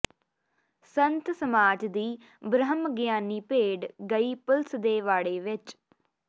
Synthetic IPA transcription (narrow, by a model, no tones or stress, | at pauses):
sənt̪səmaːd͡ʒd̪iː | bɾəɦəmɡjaːniːpeːɖɡəiːpəlsd̪eːʋaːɽeːʋɪt͡ʃ